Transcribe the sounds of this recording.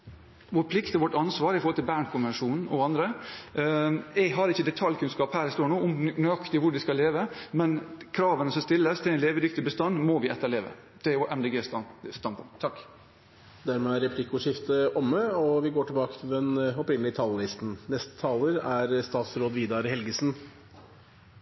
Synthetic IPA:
ʋʊɾpʰlɪkt̪ɔʋɔʈːɑnsʋɑːɾɪfɔɾhɔlt̪ɪlbæːɳkʰʊnʋɛnʂuːnn̩ɔɑnd̪ɾə | ɛɦɑɾɪçːəd̪ɛt̪ʰɑljkʰʉnskɑːphæːɾɪst̪oːɳuːʊmnœɑkt̪ɪʋʊɖɪskɑlːeːʋəmɛnkʰɾɑːʋənəsɔmst̪ɪlːəst̪ʰɪlɛnleːʋəd̪ʏkt̪ɪbəst̪ɑnd̪mɔʋɪɛt̪ːəɾɭleːʋə̰ | d̪̥ɛjʊʔɛmd̪eːɡeːst̪st̪ɑnpʰʊŋʰɑkː | d̪æɾmɛæɾɛpʰlɪkːʊʂɪft̪əʔɔmːəɔʋɪɡoːʈʰɪlbɑːkət̪ʰɪlɛnɔpɾɪnəlɪt̪ʰɑːllɪst̪n̩nɛst̪ə̥t̪ʰɑːləɾæɾst̪ɑːt̪sɾoːd̪ʋiːd̪ɑɾhɛlɡəsn̩

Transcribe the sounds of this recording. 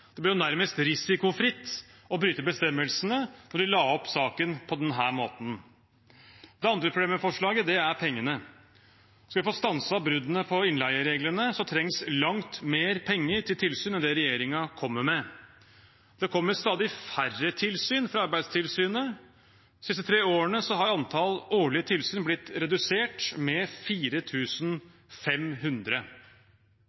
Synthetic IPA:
d̪ɛblɪɾjʊnæɾməst̪ɾɪsɪkʊfɾɪt̪ːɔbɾyːt̪əɾbəst̪ɛmːəlsənənɔɖɪlɑːɔpːsɑːkənpʰɔd̪ɛnɦæːɾmo̰ːt̪n̩ | d̪̥ɛɑnd̪ɾəpʰɾʊbleːmɛfɔʂɭɑːɡəd̪ɛæɾpʰɛŋːənə | sɑʋɪfoːst̪ɑnsəɑbɾʉd̪ənəpʰɔɪnlæɪəɾeːɡlənəsɔt̪ʰɾɛŋslɑŋt̪meːɾpʰɛŋːəɾʈʰɪlt̪ʰɪlsyːnɛnd̪ɛɾɛjeːɾɪŋɑkʰɔmːəɾmɛ | d̪̥ɛkʰɔmːəɾst̪ɑːd̪ɪfærət̪ʰɪlsyːnfɾɑɑɾbæɪd̪st̪ʰɪlsyːnə | sɪst̪ət̪ʰɾeːoːəɳəsɔɦɑɾɑnt̪ʰɑloːɭɪət̪ʰɪlsyːnblɪt̪ːɾɛd̪ʉseːʈmɛfiːɾət̪ʰʉːsn̩ | fɛmɦʉnd̪ɾə

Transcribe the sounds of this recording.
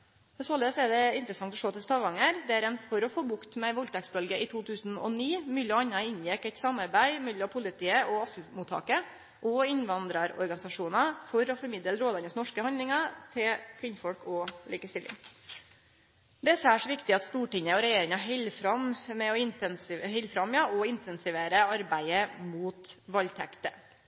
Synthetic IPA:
ɛsoːləsæd̪ɛɪnt̪ɾəsɑŋt̪ɔʂoːt̪ʰɪlst̪ɑʋɑŋəɾd̪æɾɛnfɔɾɔfoːbʊkt̪mɛʋɔlt̪ʰɑksbœlɡəʔɪt̪ʰuːt̪ʰʉːsn̩ɔ̰niːmyləɑnːɑɪnjɛkːɛɪt̪sɑmɑɾbæɪmɛlːɔmpʰʊlɪt̪ʰiːəɔɑskl̩muːt̪ʰːɑ̰ːkə | ʔɔɪnʋɑnd̪ɾɑɾɔ̰ɾɡɑnɪsɑʂuːnɑfɔɾɔfɔɾmɪd̪əlɾoːd̪ɑnəsnɔʂkəhɑnd̪ɪŋɑt̪ʰɪlkʰʋɪnfɔlkʰɔlḭːkəst̪ɪlːɪ̰ŋ | d̪ɛsəæʂɔʋɪkt̪ɪɑt̪st̪uːʈɪɲəɔɾɛjeːɾɪŋɑɦɛlfɾɑmmɛɔɪnnshɛlfɾɑmːjɑɔɪnt̪ɛnsɪʋeːɾəɑɾbæɪəmuːt̪ʋɑlt̪ʰɛ̰kt̪ə

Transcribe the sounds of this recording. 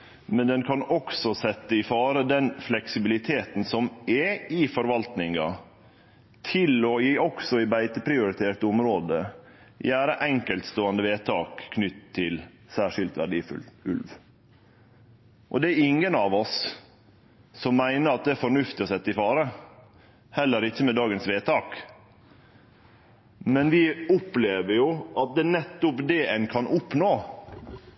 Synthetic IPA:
mɛnd̪ɛnkʰɑnɔksɔsɛt̪ːəɪfɑːɾəd̪ɛnflɛksɪbɪlɪt̪ʰeːt̪n̩sɔmɛɪfɔɾʋɑlt̪nɪŋɑ̰ | t̪ʰɪlɔjiːɔksɔɪbæɪt̪əpɾɪʊɾɪt̪ʰeːt̪əʊmɾoːd̪ə | jæːɾəʔɛŋkəlt̪st̪oːɑnd̪əʋeːt̪ʰɑːkkʰːnʏt̪ʰːɪl | sæːʂɪlt̪ʋæ̰ɖiːfʉ̰lʉ̰lʋ | ʔɔd̪ɛæɾɪŋːənɑːʋɔs | sɔmːæɪnəɾɑt̪̚d̪ɛæɾfɔɳʉft̪ɪɔsɛt̪ːəɪfɑːɾə | hɛlːəɾɪçːəmɛd̪ɑːɡənsʋeːt̪ʰɑːk | mɛnʋɪʊpleːʋəjʊʔɑt̪̚d̪ɛːnɛt̪ːʊpd̪ɛʔɛnkʰɑnʔʊpnoː

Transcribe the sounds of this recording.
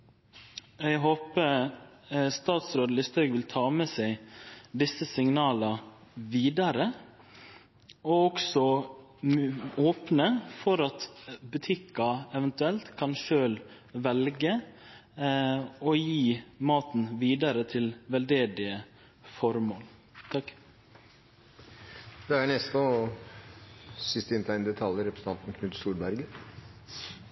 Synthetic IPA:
ɛɪɦoːpə | st̪ɑːt̪sɾoːd̪əlɪst̪œɡʋɪlt̪ʰɑːmɛsɛɪd̪ɪsːəsɪŋnɑːlɑʋiːd̪ɑɾə | ɔɔksɔ | oːpnəfɔɾɑt̪bʉt̪ʰɪkːɑɛʋənt̪ʉɛlt̪kʰɑnʃøːl | ʋɛlɡə | ɔjiːmɑːt̪n̩ʋiːd̪ɑɾət̪ʰɪlʋɛld̪eːd̪ɪə | fɔɾmoːl | t̪ʰɑk | d̪ɛæɳɛst̪ɔ | sɪst̪ɪnt̪ʰæɪnd̪ɛt̪ʰɑljəɾɛpɾəsn̩ɑnt̪n̩kʰnʉt̪suːlbæɾɡə

